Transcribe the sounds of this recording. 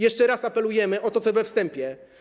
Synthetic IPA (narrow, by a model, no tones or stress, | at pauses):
jɛʂt͡ʂɛɾasapɛlujɛmɘʔɔt̪ɔt̪sɔvɛfst̪ɛmpʲjɛ